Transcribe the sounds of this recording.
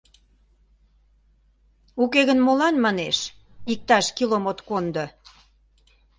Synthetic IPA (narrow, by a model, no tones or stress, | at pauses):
ukeɣənmolɑnmɑneʃ | ik̚t̪ɑʃkilomot̪kond̪ŏ